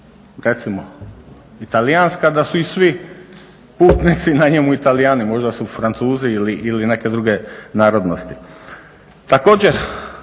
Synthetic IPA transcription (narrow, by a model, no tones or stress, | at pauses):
ɾe̞t̪simo | it̪alijanskad̪asuisʋi | puːt̪nit̪sinaɲemuit̪alijaːnimo̞ʒd̪asufɾant̪suːziiliʔiline̞ke̞d̪ɾuɡe̞naːɾo̞d̪nost̪i̥ | t̪ako̞ːd͡ʑeɾ